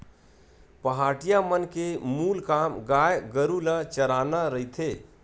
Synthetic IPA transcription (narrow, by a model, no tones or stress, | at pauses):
pəɦaʈijamənkemulkamɡajɡəɾulat͡ʃəɾanaɾəit̪ʰe